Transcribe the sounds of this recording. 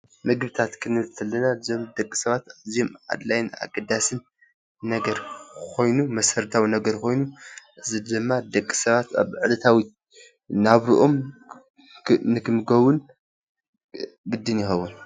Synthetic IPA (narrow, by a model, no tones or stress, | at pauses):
mɨɡɨβɨt̪ʰat̪kʰɨnɨβɨlt̪ʰɐlːɐnazo̞md̪ɐkʼːi̥sɐβat̪aziomʕa̰d̪lajna̰ɡɐd̪asɨnː | ɐɡɐɾkʰo̞jnumɐsɐɾt̪ʰawinɐɡɐɾkʰo̞jnuʔɨzid̪ɨmːad̪ɐkʼːi̥sɐβat̪a̰βʕɨlɐt̪ʰawi | naβɾuʔom | nɨkʰɨmɨɡɐwʊn | ɡɨd̪ːɨnjɪxɐwːun